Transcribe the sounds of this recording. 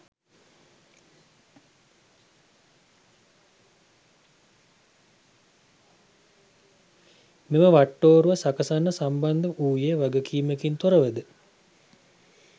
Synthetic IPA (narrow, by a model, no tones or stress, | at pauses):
meməʋaʈːoːɾuʋasakəsanːəsamband̪əʔuːjeʋaɡəkʰiːməkint̪oɾəʋəd̪ə